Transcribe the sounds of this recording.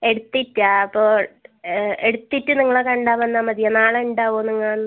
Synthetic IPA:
e̞ɽut̪ːitːɨaːɐpːoː | eɽut̪ːitːɨniŋːɐɭekɐɳɖaːʋɐnːaːmɐðijɐnaːɭeuɳɖaːʋoːniŋːɐaːnːɨ

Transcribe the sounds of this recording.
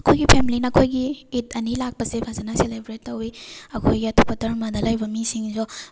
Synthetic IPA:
ɐkʰojɡipʰemilinɐːkʰojɡiːtʰɐnilak̚pɐsepʰazɐnɐselebɾetːɐwiɐkʰojɡiɐtʰupɐtɐɾmadɐlajbɐmisiŋso

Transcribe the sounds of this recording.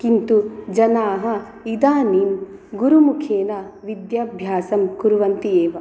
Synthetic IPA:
kint̪ud͡ʒɐnaːɦɐ̆ | id̪aːninɡuɾumukʰeːnɐʋid̪jɐbʱjaːsɐmkuɾuʋɐnt̪ieːʋɐ

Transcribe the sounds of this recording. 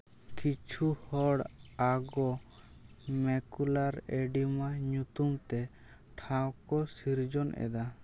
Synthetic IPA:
kit͡ʃʰuhɔɽaɡɔ | mɛkulaɾɛɖimaɲut̪umt̪ɛ | ʈʰãwkɔsiɾd͡ʒɔnʔɛ̰d̪a

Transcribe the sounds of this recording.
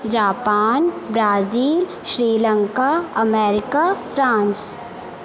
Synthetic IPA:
d͡ʒaːpaːnbɾaːziːl | ʃɾiːlə̃ŋkaɐmɛːɾɪkafʰɾãːns

